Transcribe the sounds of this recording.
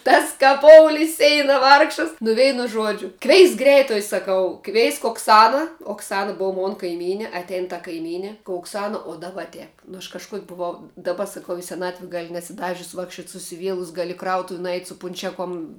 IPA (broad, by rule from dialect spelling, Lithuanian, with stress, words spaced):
ˈtɐs kɐ ˈpoːʊlʲɪ ɪ ˈsʲɛɪnɐ ˈʋɐrkʃɐs nʊ ˈʋʲɛɪnʊ ˈʒuɔd͡ʒʲʊ ˈkʋʲɛɪsk ˈɡrʲɛɪtuɔj sɐˈkɐʊ ˈkʋʲɛɪsk oːkˈsɑːnɐ oːkˈsɑːnɐ ˈboːw ˈmoːn kɐɪˈmʲiːnʲɪ ɐtʲˈɛɪn tɐ kɐɪˈmʲiːnʲɪ kɐ oːkˈsɑːnɐ oː ˈdɑːbɐ ˈtʲɛp nʊ ɐʃ kɐʃˈkuɔkʲ bʊˈʋɐʊ dɐˈbɐ sɐˈkɐʊ ɪ sʲɛˈnɑːtʲʋʲɪ ˈɡɑːlʲɪ nʲɛsʲɪˈdɑːʒʲʊs ˈʋɑːkʃʲt͡ʃʲuɔtʲ sʊsʲɪˈʋʲiɛlˠʊs ˈɡɑːlʲɪ ɪ ˈkrɐʊtʊʋʲɪ nʊˈɛɪtʲ sʊ pʊnʲˈt͡ʃʲæːˌkoːm